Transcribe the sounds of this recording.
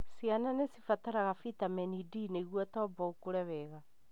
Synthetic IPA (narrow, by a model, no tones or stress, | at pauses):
siananesifataɾaɣafitamɛnidineɣwɔtɔbɔokoɾɛβɛɣa